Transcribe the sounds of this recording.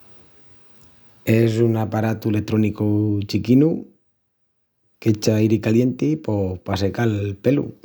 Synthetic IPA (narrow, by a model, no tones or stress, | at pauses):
e̞s̬unapaɾat̪uele̞kt̪ɾo̞nikut͡ʃikinu | ket͡ʃaiɾikaljent̪ipopasekalpe̞lṵ